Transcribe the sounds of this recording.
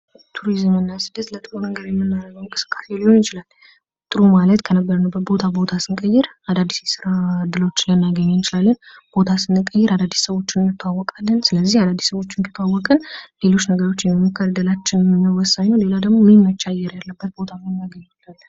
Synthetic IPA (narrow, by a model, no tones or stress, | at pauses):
t̪ʰuɾizɨmɨnːasɨd̪ət̪lət̪ʼɨɾunəɡəɾjɛmːɨnːaɾəjəwŋkʼɨsɨ̥kʼːḁselːunjɪt͡ʃɪlal | t̪ʼɨɾumalət̪kʰənəbːəɾənəwbətbo̞t̪ʰabo̞t̪ʰasɨnkʼəjːɪɾ | ad̪ad̪ːisjɛsɨɾad̪ɨlot͡ʃːlənːajɡəɲːajt͡ʃɪlalːənb̥o̞t̪ʰasɨnːɨkʼːəjːɛɾad̪ad̪ːi̥ssəβo̞t͡ʃːɪnmːɨt̪ʰːawːɔkʼalːənsɨləzːihad̪ad̪ːisəwo̞t͡ʃːɪŋkʰɨ̥t̪ʰawːɔkʼɨnle̞lo̞t͡ʃːnəɡəɾo̞t͡ʃːjɛmːimːokʰːəɾd̪əlat͡ʃːɪnmnːəwɔsaɲːəwle̞lad̪əɡmommət͡ʃːajɛɾjalːəbːət̪̚bo̞t̪ʰamnːajɡəɲːat͡ʃːalː